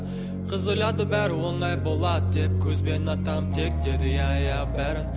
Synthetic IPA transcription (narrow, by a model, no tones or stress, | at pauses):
qʰəzojˠɑd̪əbæɾɪwo̞ɴɑjbo̞lˠɑd̪əd̪e̞p̚kʲʰɵzbe̞nɑt̪ɑmt̪ʰe̞k̚d̪e̞d̪ɪjɑjæbæɾɪn